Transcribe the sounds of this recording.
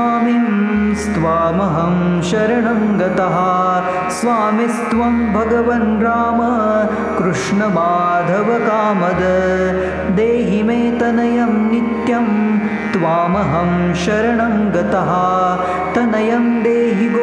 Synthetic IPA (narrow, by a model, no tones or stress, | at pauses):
aːmimst̪ʋaːmɐɦɐmʃɐɾɐɳɐŋɡɐt̪ɐɦɐ | sʋaːmist̪ʋɐmbʱɐɡɐʋɐnɾaːmɐ | kɾuʂɳɐmaːd̪ʱɐʋɐkaːmɐd̪ɐ | d̪eːɦimeːt̪ɐnɐjɐmnit̪jɐm | t̪ʋaːmɐɦɐm | ʃɐɾɐɳɐŋɡɐt̪ɐɦɐ | t̪ɐnɐjɐmd̪eːɦib